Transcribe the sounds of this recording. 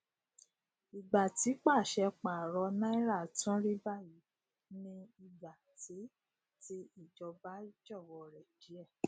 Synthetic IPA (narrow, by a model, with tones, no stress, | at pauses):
i˨ɡ͡ba˨ti˨˦k͡pa˦˨ʃɛ˧k͡pa˨ɾɔ˧nã˦i˦ɾa˦˨tũ˦ɾi˦ba˦˨ji˨˦ | nĩ˧i˧ɡ͡ba˨ti˨˦ | ti˦i˦˨d͡ʒɔ˧ba˨˦d͡ʒɔ˦˨wɔ˧ɾɛ˨d͡ʒi˨˦ɛ˦˨